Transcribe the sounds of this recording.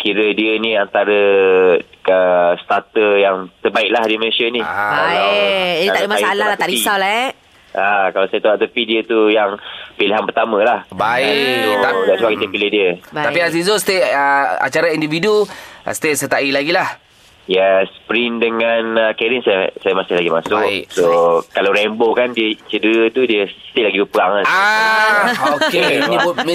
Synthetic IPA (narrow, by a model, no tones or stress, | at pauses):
kiɾədiənĩant̪aɾə | əst̪at̪əjaŋt̪ərbaɪʔ̚lahdiməesianiaa | d̪adimasalaat̪adiisawlaɛʔ | akalawsajat̪aaʔt̪əpidiət̪ujaŋpiliɦanpərt̪amə̃lahbaiaɡaʔsuakit̪əpilihdiət̪apias̬izost̪eʔəa̰t͡ʃaɾaindividṵst̪esət̪aʔilaɡilah | jaspɾindəŋanəkɛɾinsajsajamasɪhlaɡimasʊksokalawɾɛmbokandiət͡ʃədəɾət̪udiəst̪eʔlaɡibəpəaŋaa | okeibm